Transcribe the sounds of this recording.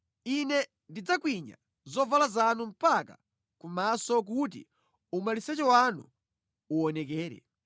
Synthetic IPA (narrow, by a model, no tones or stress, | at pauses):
inɛ | ndid͡zakwiɲa̰ | zɔvalazanum̩paka̰ | kumasɔk̬ut̬ḭ | umalisɛt͡ʃɛwanṵ | uɔnɛk̬ɛːɾɛ̰